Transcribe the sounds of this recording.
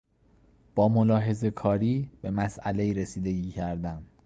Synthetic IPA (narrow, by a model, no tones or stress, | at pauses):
b̥ɒːmolɒːɦe̞ze̞kʰɒːɾiːb̥e̞mæsʔæle̞iːɾe̞siːd̪e̞ɟiːcʰæɾd̪æm